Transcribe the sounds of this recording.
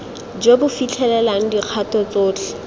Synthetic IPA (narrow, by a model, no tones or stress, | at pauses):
d͡ʒobʊfit͡ɬʰɛlɛlaŋ̩diq͡χʰatɔt͡soːt͡ɬʰɛ̥